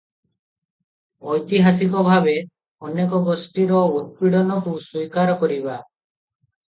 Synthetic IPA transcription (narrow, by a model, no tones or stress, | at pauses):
ɔjt̪iɦas̬ikɔbʱabe | ɔnekɔɡɔsʈiɾɔut̪̚piɽɔnɔkusujkaɾɔkɔɾiba